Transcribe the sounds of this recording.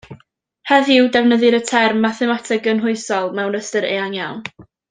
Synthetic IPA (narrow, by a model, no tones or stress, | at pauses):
hɛðɪwdɛvnəðɨɾətʰɛrmːaθɛmatʰɪɡənɦʊɨsɔlˠmɛwnəstəɾeanjawn